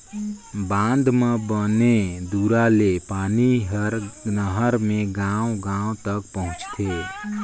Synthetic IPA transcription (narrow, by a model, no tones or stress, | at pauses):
bãnd̪mebəned̪uɾalepaːniɦəɾnəɦəɾmẽɡãwɡãõt̪əkpəɦʊ̃t͡ʃt̪ʰe